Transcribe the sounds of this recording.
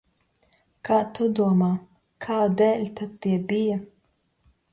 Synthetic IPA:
kaːt̪ud̪uɔmaː | kʰaːd̪ɛːlʲt̪ad̪̚t̪ːiɛbija

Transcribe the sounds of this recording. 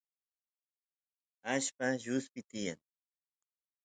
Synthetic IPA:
aʃpaʒʊspɪt̪ɪja̰ŋ

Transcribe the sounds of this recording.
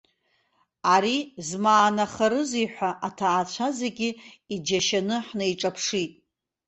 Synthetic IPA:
aɾizmaːnaχaɾɨzijħʷᶣaʔatʰaːt͡ɕʷʰazeɡʲɪ | id͡ʒaʃanɨħnajʈ͡ʂʼapʰʂitʼ

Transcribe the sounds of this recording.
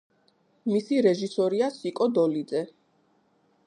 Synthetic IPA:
misiɾɛʒisɔɾiasikʼɔd̪ɔlid̪zɛ

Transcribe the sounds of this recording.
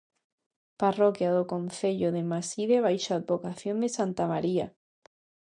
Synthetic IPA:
parokjaðokõn̟θeʎoðemasiðeβajʃaːd̪̚bokaθjond̪esant̪amaɾia̰

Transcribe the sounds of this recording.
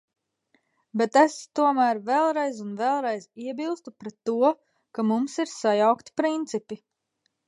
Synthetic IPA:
bet̪est̪uɔmæːɾvɛlˠɾɛjzunvɛlˠɾɛjziɛbilˠst̪upɾɛt̪ːuɔ | kamumsiɾsajawkt̪i̥pɾint̪sipi

